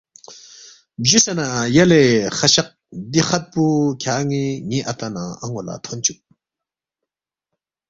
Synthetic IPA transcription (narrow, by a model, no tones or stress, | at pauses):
bʑisanajaleχaɕaq̚ | d̪iχat̪̚pukʰaŋiŋiʔat̪ana̰aŋola̰t̪ʰont͡ʃuk̚